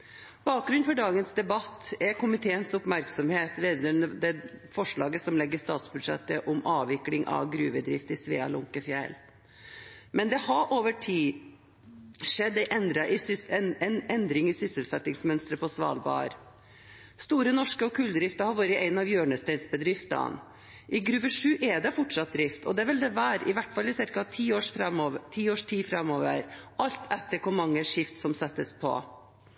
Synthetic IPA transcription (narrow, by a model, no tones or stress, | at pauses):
b̥ɑːk̚ɡɾʉnfɔɖɑːɡənsd̪ɛbɑt̪ːɛɾkʰʊmɪt̪ʰeːənsʊpmæɾksɔmheːt̪ʋeːd̪ənəd̪ɛfɔʂɭɑːɡəsɔmlɛɡːəst̪ɑːt̪sbʉd̪ʂɛ̰t̪ːəʔʊmʔɑːʋɪklɪŋʔɑ̰ʋɡɾʉːʋəd̪ɾɪft̪ɪsʋḛːɑ̰lʊŋkəfjɛ̰l | mɛnd̪ɛhɑɾʔoːʋəʈʰiː | ʂɛd̪ːɛʔɛnd̪ɾɑʔɪsɛnɛnd̪ɾɪŋɪsʏsəlsɛt̪ːɪŋsmœnst̪ɾəpʰɔsʋɑ̰ːlbɑ̰ːə̰ɾ | st̪uːɾənɔʂkəɔkʰʉːld̪ɾɪft̪əhɑɾʋɑːɾəʔæɪnɑʋjøːɳəst̪æɪnsbəd̪ɾɪft̪ɑ̰n | ʔɪɡɾʉːʋəʂʉːʔɛd̪ɛfɔʈʂɑt̪̚d̪ɾɪft̪ʰɔd̪ɛæʋɛld̪ɛʋæːɾɪ̰ʋæʈfɑlːɪsɪɾkɑt̪ʰiːoːʂfɾɛmot̪ʰiːoːʂʈʰiːfɾɛmːoːʋə̰ɾʔɑlt̪ʰɛt̪ːəɾkʊmɑŋːəʂɪft̪sɔmsɛt̪ːəspʰɔ̰